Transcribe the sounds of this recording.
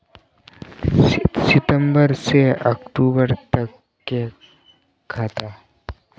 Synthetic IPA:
sɪt̪ə̃mbəɾseəkʈuːbəɾt̪əkː | e | kʰaːt̪a

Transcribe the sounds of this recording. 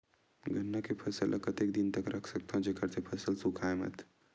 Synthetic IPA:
ɡənːakepʰəsəlʔə̰kət̪ek̚d̪int̪əkɾʔɐkʰsək̚t̪ʰãd͡ʒekəɾt̪ʰepʰəsəlsukʰajmə̰t̪ʰ

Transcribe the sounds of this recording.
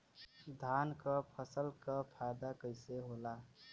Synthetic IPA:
d̪ʱankəpʰəsəlkəpʰajd̪akəɪseɦola

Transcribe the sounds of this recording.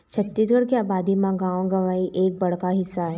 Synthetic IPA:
t͡ʃʰɐt̪ːisɡəɽkeaːbaːd̪imãɡãːwɡɐʋaːiʔeːk̚bɐɽ̤kaɦɪsːaɦɛ

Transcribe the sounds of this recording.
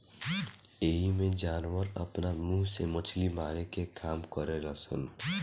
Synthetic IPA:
eːɦimẽd͡ʒaːnwəɾɐ̰pnamũːsemɐt͡ʃʰlimaːɾekekʰaːmkəɾeɾɐsən

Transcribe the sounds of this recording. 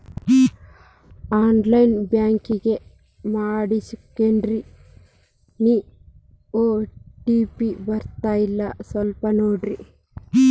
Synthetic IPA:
aːnɖlɐjnbjaːŋkiɡe | maːɽisukːeɳɖɾi | ni | oːʈiːpiʋɐɾt̪aːjilːɐsɐlpɐnoːɖɾi

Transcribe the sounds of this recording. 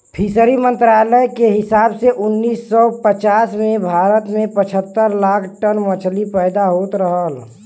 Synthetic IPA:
pʰisəɾimə̃nt̪ɾaːləjkeɦɪsaːbseʔʊnːiːsːɔpət͡ʃaːsmẽbʱaːɾət̪mẽpət͡ʃʰət̪ːəɾlaːkʰʈənmət͡ʃʰlipɛːd̪aɦoːt̪ɾəɦəl

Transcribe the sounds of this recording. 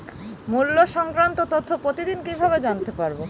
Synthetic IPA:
mulːoʃɔŋkɾant̪ot̪ot̪ʰːopɾot̪id̪inkibʱabed͡ʑant̪epaɾbo

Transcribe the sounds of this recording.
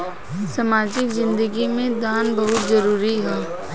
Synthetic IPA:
sɐmaːd͡ʒɪkzɪ̃nd̪əɡimẽd̪aːnbɐɦʊt̪zɐɾuːɾiɦɛː

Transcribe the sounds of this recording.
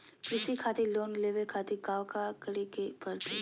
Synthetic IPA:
pɾɪsikʰaːt̪eloːnleːʋekʰaːt̪iɡaːʋkakɐɾekebɐɾt̪e

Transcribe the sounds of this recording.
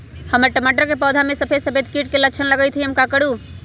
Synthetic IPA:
həməɾʈəmaʈəɾkepɔːd̪ʱamẽsəpʰed̪səpʰed̪kiʈkelət͡ʃʰənləɡəjt̪ʰiɦəmkakəɽu

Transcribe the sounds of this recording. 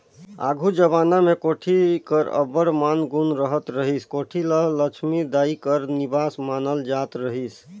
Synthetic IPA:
a̰ɡʱud͡ʒəβanamekoʈʰikəɾə̰bəɽmanɡunɾəɦət̪ɾəɦiskoʈʰilələt͡ʃʰmid̪aikəɾnibasmanəld͡ʒat̪ɾəɦis

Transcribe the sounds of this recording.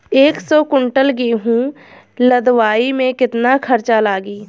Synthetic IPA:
eːksɔːkʊɳʈəlɡiːɦũː | ləd̪waːimẽkɪt̪nakʰəɾt͡ʃalaːɡiː

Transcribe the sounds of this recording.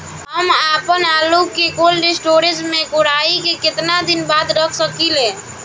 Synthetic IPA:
ɦəmapənalukekolɖisʈoɾed͡ʒmekoɽaikekɪt̪nad̪inbad̪ɾəkʰsəkilẽ

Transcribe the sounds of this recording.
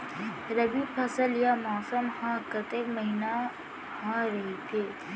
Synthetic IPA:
ɾɐbipʰɐsəljamaːsəmhãkət̪eːkmɐɦina | hãɾɐɦit̪ʰeː

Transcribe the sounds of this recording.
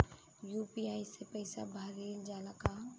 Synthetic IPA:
juːpiaːisepɐɪsa̰bʱaːɾend͡ʒaːlakaː

